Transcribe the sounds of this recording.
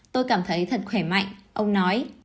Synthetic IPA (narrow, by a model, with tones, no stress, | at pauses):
t̪o˧jkaː˧˩mt̪ʰə˨˦jt̪ʰə˨˩t̚xwɛ˧˩ma̰˧˨jŋʔə˧wŋ͡mnɔ˨˦j